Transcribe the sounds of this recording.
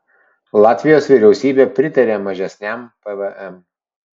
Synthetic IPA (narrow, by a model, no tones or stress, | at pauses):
lˠɑːt̪ʲʋʲɪjoːsʋʲiːˑɾʲɛʊsʲiːbʲeːpʲɾʲɪt̪ɐɾʲeːmɐʒʲɛsʲnʲæmpɛʋɛʔɛm